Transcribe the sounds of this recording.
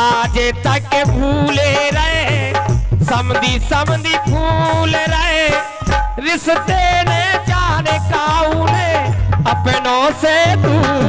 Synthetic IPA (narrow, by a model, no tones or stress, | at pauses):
aːd͡ʒeːt̪ɐkebʱuːleɾəɦe | sɐmd̪isəmd̪iːpʰuːleɾəɦe | ɾɪst̪eːned͡ʒaːnekaːuneəpenoːsed̪uː